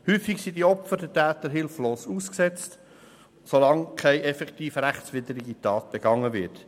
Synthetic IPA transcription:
hyːfiksidiɔpfədɛtæːt̪əɾɦɪlfloːsuːsksɛt͡st | solɑŋkʰɛɪʔɛfɛkt̪iːfɾæχt͡sʋɪd̪əɾiɡitɑːt̚b̥ɛɡ̥ɑŋːəvɪt

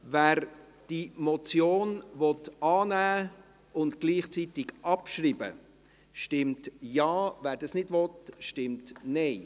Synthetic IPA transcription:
væːɾ | d̥imɔt͡sjoːnvɔtɑːnæː | ʊntɡ̥liːχt͡sitɪɡʔɑpʃriːbə̰ | ʃtɪmtjɑːvæːɾdɑsnɪdvɔtʃtɪmtnɛɪ

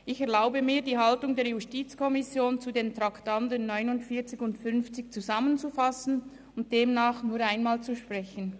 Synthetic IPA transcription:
ʔɪçɛɐlaʊbəmiːɐdiːɦaltʊŋdeːɐjustiːt͡skʰɔmɪsjoːnt͡sudeːntʁaktandənːɔʏnʊntfiɐt͡sɪçʊntfʏnft͡sɪçt͡suzamənt͡sufasn̩ | ʊnt̚d̥eːmnaːχnuːɐaɪnmaːlt͡suʃpʁ̥ɛçən̩

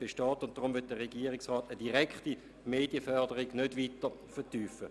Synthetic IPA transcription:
b̥eʃtɑːtʊnt̚d̥ʁʊmʋyt̚d̥əʁeɡiːəʁɪksʁɑːtəd̥iʁɛkχti | meːdjəfœʁdəʁiɡnødʋiːtəfətyːfə

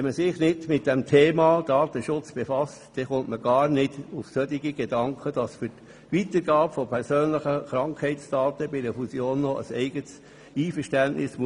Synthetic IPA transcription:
ɛnməsɪχnɪdmɪt̚d̥ɛmtʰeːmɑd̥ɑːtəʃʊt͡sb̥efɑstd̥ɛχʊntməɡɑːnɪdʊfsœtɪɡiɡ̥edɑŋkʰəd̥ɑsfʏt | ʋitəɾɡɑːpfɔpʰɛɾsøːnləχəχɾɑŋkhɛɪt͡sd̥ɑːtəbɪdəfusjoːnːɔʔə̰sɛ̰ɪɡəts | iːfəʃtænʔnʔɪsm

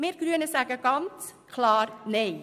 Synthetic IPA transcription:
meːɾɡɾyːnəsækəkɑnt̪ | kʰlɑːɾnɛɪ

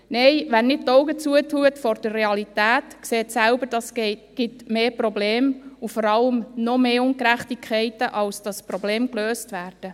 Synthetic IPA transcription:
nɛɪʋɛnnɪt̚tːɔwɡət͡suətʰuətfɔɾd̥ərːeɑlitæːtkseːtsæʊbəd̥ɑsɡ̥ɪtmeːprɔbleːmufɔɾɑləmnɔmeːʊŋkɾæχtikʰχɛɪtəʔɑlsd̥ɑsprɔbleːmkløːstʋæːrd̥ə

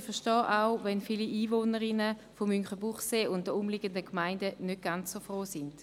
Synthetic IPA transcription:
fɛɐʃtɔːʔaʊvɛnfiliʔiːvoːnəɾɪnəfomyŋχəbuχseːʊnt̚dəʊmliɡəndəkmaɪndənøt̚ɡ̥ant͡ssofʁoːsɪnd̥

